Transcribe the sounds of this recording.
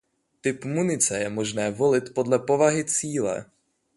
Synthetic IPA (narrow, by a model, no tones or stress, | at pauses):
t̪ɪpmunɪt͡sɛjɛmo̞ʒnɛːvo̞lɪt̪po̞dlɛpo̞vaɦɪt͡siːlɛ̰